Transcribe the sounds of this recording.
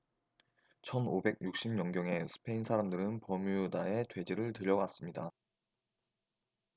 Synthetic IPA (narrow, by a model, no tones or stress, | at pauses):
t͡ɕʰʌnobe̞ɡ̚juk̚ɕ͈imɲʌŋɡjʌŋe̞sʰɯ̥pʰe̞insʰaɾamdɯɾɯnpʌmujudae̞twe̞d͡ʑeɾɯɭtɯɾjʌwas͈ɯmɲida